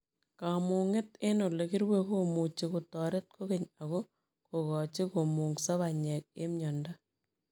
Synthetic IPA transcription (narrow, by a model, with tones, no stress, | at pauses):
ka˨mu˨ŋɪ˦te˦no˨le˨ki˦ɾwe˦komu˨t͡ʃi˨ku˨tɔ˨ɾe˦t̚kʰo˦ke˨ɲa˨ɣo˦ | ko˨kɔ˨t͡ʃi˦ko˨mu˨ŋsa˦βa˨ɲɛ˨k̚ḛ˦mɲɔ˨nda˦